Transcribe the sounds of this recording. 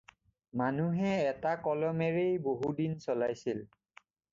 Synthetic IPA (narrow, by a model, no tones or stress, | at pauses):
manuɦɛːtakɔlɔmeɹejboɦudinsɔlajsil